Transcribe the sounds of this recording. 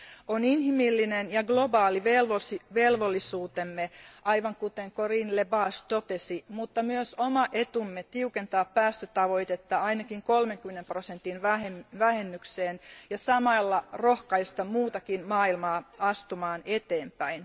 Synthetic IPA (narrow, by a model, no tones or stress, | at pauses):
oninhimilːinenjɑɡlobɑːliʋelosiʋelʋolːisuːt̪emːeʔɑiʋɑŋkut̪eŋkorinlebɑːst̪ot̪esimut̪ːɑmyøsomɑʔet̪umːet̪iukent̪ɑːppæːst̪øt̪ɑʋoit̪et̪ːɑɑinɑkiŋkolmeŋkymːenemprosent̪inʋæheʋæhenːykseːnjɑsɑmɑlːɑrohkɑist̪ɑmuːt̪ɑkinmɑːilmɑːɑst̪umɑːnet̪eːmpæin